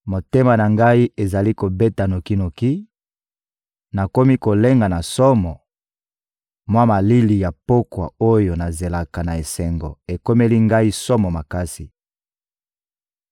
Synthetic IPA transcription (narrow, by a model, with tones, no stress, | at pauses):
mo˨te˦ma˨na˨ŋɡa˦i˦e˨za˨li˦ko˨be˦ta˨no˨ki˦no˨ki˦ | na˨ko˦mi˦ko˨le˦ŋɡa˨na˨sɔ˦mɔ˨ | mwa˦ma˨li˦li˨ja˨po˦kwa̰˨o˦jo˨na˨ze˨la˨ka˨na˨e˨sɛ˨ŋɡo˨e˨ko˦me˦li˦ŋɡa˦i˦sɔ˦mɔ˨ma˨ka˦si˨